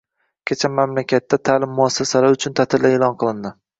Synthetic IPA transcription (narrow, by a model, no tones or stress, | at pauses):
kʲʰet͡ʃʰamːamlakʲʰat̪ːat̪ʰaːlɪmːʊasːasalaɾʊt͡ʃʰʊnt̪ʰat̪ʰɪlld̪aelɒnqʰɨlˠɪnd̪ɪ